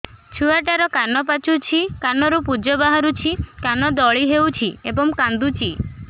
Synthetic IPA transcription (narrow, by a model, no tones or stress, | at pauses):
t͡ʃʰuaʈaɾɔkanɔpat͡ʃut͡ʃʰikanɔɾupud͡ʒɔbaɦaɾut͡ʃʰikanɔd̪ɔɭiɦewt͡ʃʰiebɔmkand̪ut͡ʃʰi